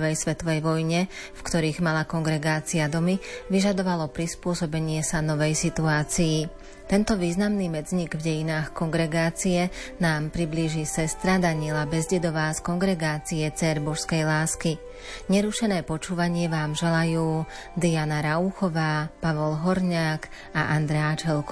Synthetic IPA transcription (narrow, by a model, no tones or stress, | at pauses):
ʋɛjsʋɛt̪ɔʋɛjʋɔjɲɛfkt̪ɔɾiːɣmalakɔŋɡɾɛɡaːt͡siad̪ɔmiʋiʒad̪ɔʋalɔpɾispʊɔsɔbɛɲɪɛsanɔʋɛjsit̪uaːt͡sijː | t̪ɛnt̪ɔʋiːznamniːmɛd͡zɲiɡvɟɛjinaːxkɔŋɡɾɛɡaːt͡siɛnaːmpɾibliʒisɛst̪ɾad̪aɲilabɛzɟɛd̪ɔʋaːskɔŋɡɾɛɡaːt͡sijɛt͡sɛːɾbɔʃskɛjlaːski | ɲɛɾuʃɛnɛːpɔt͡ʃuːʋaɲɪɛʋaːmʒɛlajuː | d̪ianaɾauxɔʋaːpaʋɔlɦɔɾɲaːk | aʔand̪ɾɛat͡ʃɛlk